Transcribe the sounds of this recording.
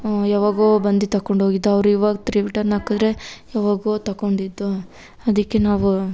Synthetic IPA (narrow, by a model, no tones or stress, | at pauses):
jaːʋaːɡoːbɐnd̪it̪ɐkːoɳɖɦoːɡid̪ːɐʋɾuiːʋaːɡɐt̪ɾiʋiʈɐɾnaːkid̪ɾe̞jaːʋaːɡoːt̪ɐkoɳɖid̪ːu | ɐd̪ikːe̞naːʋu